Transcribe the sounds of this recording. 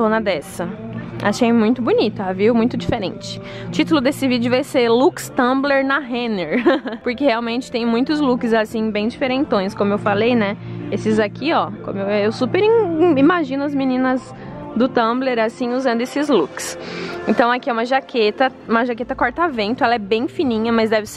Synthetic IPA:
sõnɐd̪ɛsɐa̰ʃejmũj̃t̪ʊbunit̪ʊaviʊmũj̃t̪ʊd͡ʒifeɾḛ̃nt͡ʃɪ̥ | ʊt͡ʃit̪ʊlʊd̪esɪvid͡ʒʊvajselukst̪ɐ̃bleɾnɐɦẽneɾpoɾkeheawmẽnt͡ʃɪ̥t̪ẽj̃mũj̃t̪ʊzlukɪzasĩbẽj̃d͡ʒifeɾẽnt̪õj̃skõmʊewfalejnɛesɪzakʰiɔkõ̰mʊeewsupeɾĩimaʒĩnʊɐzminĩnɐz | d̪ʊt̪ɐ̃bleɾasĩuzɐ̃nd̪ʊesɪzluksẽnt̪ɐ̃w̃akiɛũmɐʒakʰet̪ɐũmɐʒaket̪ɐkɔɾt̪avẽnt̪ʊɛlɐɛbẽj̃finĩɲɐmɐzd̪ɛvɪs

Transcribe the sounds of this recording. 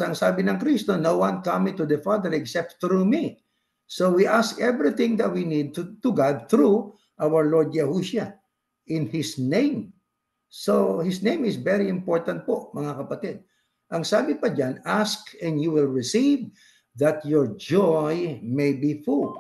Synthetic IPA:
ɐŋsaːbɪnɐŋkɾist̪onowwãnkamit̪ʊd̪ɛfad̪əɹɛksɛp̚t̪tɾumi | sowiʔaskɛvɹiθɪ̃ŋd̪ɐt̪̚winid̪̚t̪ʊɡad̪̚θɾu | ʔawəɹlɔɹd̪̚d͡ʒɛhuʃa | ʔɪ̃nhɪsnẽɪ̃m | sohɪsnẽj̃mɪsvɛɹiɪ̃mpoɹt̪ɐ̃nt̪̚poʔmɐŋakɐpɐt̪id̪̚ | ʔɐŋsaːbɪpɐd͡ʒanaskɛ̃njuwɪlɹɪsiv | ðɐt̪jɔɹd͡ʒɔjmejbiful

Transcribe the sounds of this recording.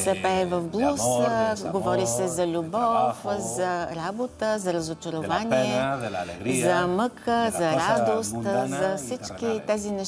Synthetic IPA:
sɛpɛvɐfblˠusɡovɔɾisɛzɐlʲubɔfzɐɾabot̪əzɐɾəzot͡ʃəɾʊvaniɛ | zɐməkəzɐɾad̪ost̪zɐfsit͡ʃkit̪ɛzinɛ

